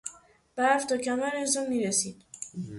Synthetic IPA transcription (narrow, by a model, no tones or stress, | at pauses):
b̥æft̪ʰɒːcʰæmæɾenzɒːmːiːɾesiːd̪̥